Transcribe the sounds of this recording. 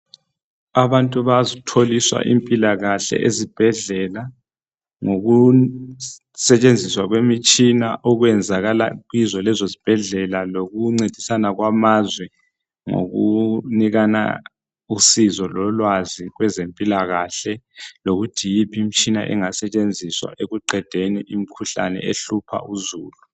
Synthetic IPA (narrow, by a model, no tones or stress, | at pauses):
aβantʼuβazitʰoliswa̰ʔḭmpʼilaɣaɬɛ̰ʔezib̥ʱɛɮɛla | ŋoɣu | sɛt͡ʃʼend͡zʱiswaɣwemit͡ʃʼinaʔɔɣwɛnd͡zʱaɣala̰ɣwizɔlɛzozib̥ʱɛɮɛlaloɣuŋ͡ǀed̥ʱi̥sanaɣwamazwɛ | ŋo̰ɣuniɣana̰ | usizɔlɔlwaziɣwɛzempʼilaɣaɬɛloɣutʰijipʰim̩t͡ʃʼina̰ʔɛ̰ŋasɛt͡ʃʼend͡zʱiswa̰ʔeɣuǃɛd̥ʱeniʔim̩kʰuɬa̰nɛ̰eɬupʰa̰uzuːlu